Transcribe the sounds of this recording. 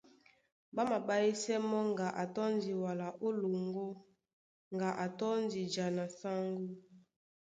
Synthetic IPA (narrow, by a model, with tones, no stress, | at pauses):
ba˦ma˨ba˦ji˦sɛ˦mɔ˦ŋɡa˨ʔa˨tɔ˦ndi˨wa˨la˨ʔo˦lo˨ŋɡo˦ | ŋɡa˨ʔa˨tɔ˦ndi˨d͡ʒa˨na˨sa˦ŋɡu˦